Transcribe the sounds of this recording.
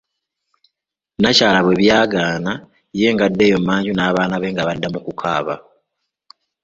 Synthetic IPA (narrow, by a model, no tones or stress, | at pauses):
nacaːlaβwe̞βjaːɡaːna | je̞ːŋɡadːe̞ːjo̞mːaːɲɟunaːβaːnaβe̞ːŋɡaβadːamukukʰa̰ːβa̰